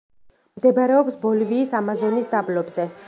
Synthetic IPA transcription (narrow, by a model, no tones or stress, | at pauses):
md̪ɛbaɾɛɔpsbɔliviːsamazɔnisd̪ablɔbzɛ